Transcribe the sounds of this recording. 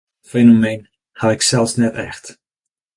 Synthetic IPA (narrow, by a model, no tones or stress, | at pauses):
fenomejn | haɪksɛlˠfsnɛtɛ̰xt